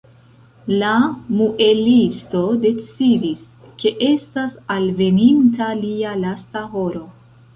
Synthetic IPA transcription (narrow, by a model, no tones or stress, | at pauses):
lamuʔe̞listo̞de̞t͡sidis | ke̞ʔe̞stasalve̞nintalialastaɦo̞ɾo̞